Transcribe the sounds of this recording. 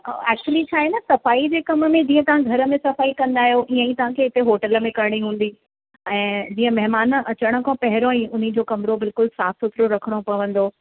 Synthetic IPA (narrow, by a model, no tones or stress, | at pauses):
ɛːk̚t͡ɕuəlit͡ɕʰaːɦenɐsɐfaːid͡ʑeːkɐmə̆mẽd͡ʑĩːə̃t̪ɐʋ̤ãɡʱɐɾə̆mẽsɐfaːikɐ̃nd̪aːɦijoʔiãĩt̪ɐʋ̤ãkʰeɪt̪eɦoːʈələmẽkɐɾɽ̃iɦũːn̆d̪i | ɛ̃ːd͡ʑiːə̃mɐɦmaːnʔɐt͡ɕəɽ̃ə̆kʰõpɐɦɪɾõĩʊn̤id͡ʑoːkɐmɾobɪlkʊlsaːsʊt̪ɾoɾɐkʰəɽ̃opɐʋə̃nd̪o